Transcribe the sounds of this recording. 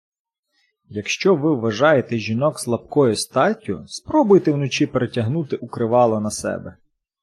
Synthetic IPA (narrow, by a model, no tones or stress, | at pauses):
jɐkʃt͡ʃɔʋɪwːɐʒɑjet̪ɛʒʲinɔkslˠɐp̚kɔjʊst̪ɑtʲʊ̰spɾɔbʊjt̪ɛwnɔt͡ʃipeɾetʲɐɦnut̪ɪʔukɾɪʋɑlˠɐnɐsɛ̰bɛ